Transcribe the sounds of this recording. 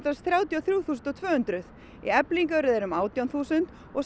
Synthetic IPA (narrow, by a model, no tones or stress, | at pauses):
t̪asθɾjaːwt̪jaθɾjuːθuːsʏnt̪ɔt̪ʰv̥œːhʏnt̪ɾʏð | ḭɛpliŋkœɾɪðɛɾʏmaːwt̪jawnθuːsʏnt̪ | ɔɣs